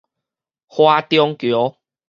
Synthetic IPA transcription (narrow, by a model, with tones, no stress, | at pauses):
hwa˧t̪jɔ˧ŋkjɔ˨˦